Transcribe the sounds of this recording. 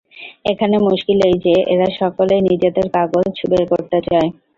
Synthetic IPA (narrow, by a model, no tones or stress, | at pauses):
ekʰanemuʃkilejd͡ʑeʔḛɾaʃɔkoleniɾd͡ʑed̪eɾkaɡod͡ʑt͡ɕbeɾkoɾt̪et͡ɕae